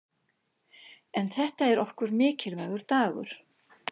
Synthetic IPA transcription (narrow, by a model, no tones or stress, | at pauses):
ɛnθɛht̪aɛɾɔhkʏɾmɪːcɪlvaːjɣʏɾ̥t̪aːɣʏ̰ɾ̥